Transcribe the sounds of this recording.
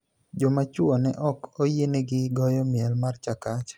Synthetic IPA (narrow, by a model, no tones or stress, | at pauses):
d͡ʒɔmat͡ʃwɔnɛʔɔkojeneɡɪɡɔjɔmɪɛlmart͡ʃakat͡ʃ